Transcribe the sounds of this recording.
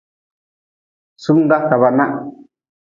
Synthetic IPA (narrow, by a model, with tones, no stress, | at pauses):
su˦ŋɡa˦ka˨βa˧˨nã˦ʔ